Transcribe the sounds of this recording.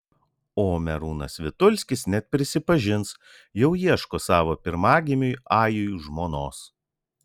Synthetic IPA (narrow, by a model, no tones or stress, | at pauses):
oːmʲɛɾuːnɐ̰sʋʲɪt̪ʊlʲsʲkʲɪsnʲɛt̪̚ʲpʲɾʲɪsʲɪpɐʒʲɪns | jɛʊjiɛʃkoːsɑːʋoːpʲɪɾmɑːɡʲimʲʊjɑːjʊjʒmoːnoːs